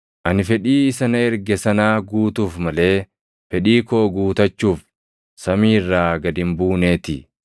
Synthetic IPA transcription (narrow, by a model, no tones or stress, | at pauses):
ʔɐnɪfɛᶑiːɪsɐnɐɛɾɡɛsɐnaːɡuːt̪uːfmɐle̞ː | fɛᶑiːkoːɡuːt̪ɐt͡ʃːuːf | sɐmiːrːaːɡɐd̪ɪmbuːneːt̪ɪ̰